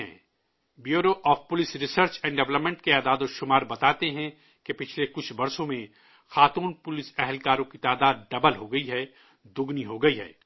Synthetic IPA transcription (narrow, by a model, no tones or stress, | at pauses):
ɛ̰̃ː | bjoːɾoʔɔːfpʊlɪsɾɪsəɾt͡ʃɛ̃ːɳɖɛʋləpmɛ̃ɳʈkeaːd̪aːd̪oʃʊmaːɾbɐt̪aːt̪eɦɛ̃ | kepɪt͡ʃʰlekʊt͡ʃʰbɐɾsõmẽ | xaːt̪uːnpʊlɪsɛɦɛlkaːɾõkit̪aːd̪aːd̪̚ɖɐbəlɦoɡɐiɦɛ | d̪ʊɡniɦoɡɐiɦɛ̰ː